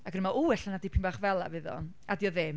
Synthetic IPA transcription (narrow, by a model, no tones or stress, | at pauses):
akɡrmaʔuɛɬanadɪpʰɪmbaːχvɛlˠa̰vɨðɔ̰n | adjɔðɛm